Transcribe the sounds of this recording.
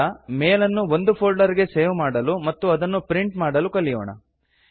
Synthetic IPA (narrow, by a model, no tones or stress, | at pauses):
ɐmeːlɐnːuʋo̞nd̪upʰoːɭɖɐɾiɡe̞seːʋmaːɽɐlumɐt̪ːuɐd̪ɐnːupɾiɳʈmaːɽɐlukɐlːijoːɳɐ̰